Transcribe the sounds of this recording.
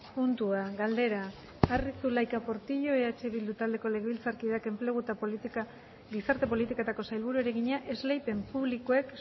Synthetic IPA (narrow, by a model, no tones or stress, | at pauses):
punt̪uaɣald̪e̞ɾaː | risulajkapo̞ɾt̪iʎo̞eat͡ʃe̞βild̪ut̪ald̪e̞ko̞le̞ɣeβilt͡saɾkiðake̞mple̞ɣ̞ut̪aka | ɡisaɾt̪e̞po̞lit̪ikoet̪ako̞sajlβuɾue̞ɾe̞ɣiɲaʔe̞zlejpe̞mpuβlikoe̞k